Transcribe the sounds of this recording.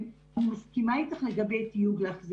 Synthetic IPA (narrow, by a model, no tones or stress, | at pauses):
umaskimait̪aχleɡabejt̪ijuɡleaχzi